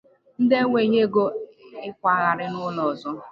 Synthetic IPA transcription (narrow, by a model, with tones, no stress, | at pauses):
n̩˦de˦ŋʷe˨ɦe˦ɡo˦ɪ˦kʷa˦ɣa˨ɾɪ˦nʊ˦lɔ˨zɔ˦